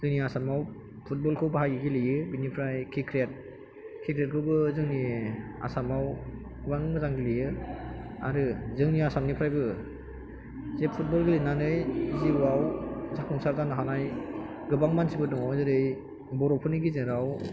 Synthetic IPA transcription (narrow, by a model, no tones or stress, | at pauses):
zɯŋniasamaw | pʰut̚bɔlkʰɯwbaɦajɡɯɡilijɯbinipʰɾajkʰikʰɾet̚ | kʰikʰɾet̚kʰɯwbɯzɯŋnia̰samaw | baŋɯzaŋɡilijɯ | a̰ɾɯzɯŋniasamnipʰɾajbɯ | zepʰut̚bɔlɡilinanɯjizibɯawzak̚ɔŋsaɾzanɯɦanaj | ɡɯbaŋmansibɯdɔŋawzɯɾɯj | bɔɾɔpʰɯniɡizɯɾaw